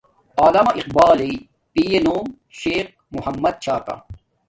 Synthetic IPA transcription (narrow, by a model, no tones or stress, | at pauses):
aːlɐmɐʔiq̚baːle | piːjenoːm | ʃeːq̚muhɐmːɐd̪̚t͡ɕʰaːka̰